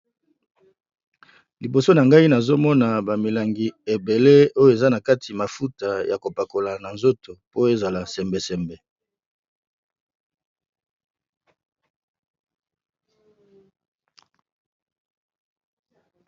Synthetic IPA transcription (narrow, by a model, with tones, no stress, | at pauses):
li˨bo˨so˦na˨ŋɡa˦i˦na˨zo˦mɔ˦na˨ba˨mi˨la˨ŋɡi˨e˨be˨le˦o˦jo˦e˨za˦na˨ka˦ti˨ma˨fu˦ta˨ja˨ko˨pa˨ko˨la˨na˨nzo˦to˨po˦e˦za˨la˨sɛ˨mbe˨sɛ˨mbe˨